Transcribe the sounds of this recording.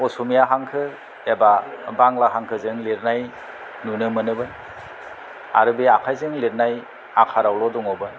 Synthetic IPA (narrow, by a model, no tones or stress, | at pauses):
ɔsumijaɦaŋkʰɯ | ebabaŋlaɦaŋkʰɯzɯŋleɾnaj | nunɯmɯnɯbɯ | a̰ɾɯbeakʰajzɯŋliɾnaj | akʰaɾawlɔdɔŋɔbɯ